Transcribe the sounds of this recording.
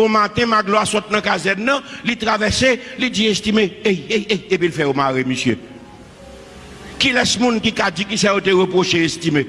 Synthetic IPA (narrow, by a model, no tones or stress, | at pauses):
õmat̪ɛ̃maɡloasɔt̪̚nɐ̃kazɛnːɐ̃lit̪ʁavɛselid͡ziest̪imeejejejepilfɛjomaɣimesjø | kilɛsmũnkikad͡zikisajot̪eɣəpɣoʃeest̪ime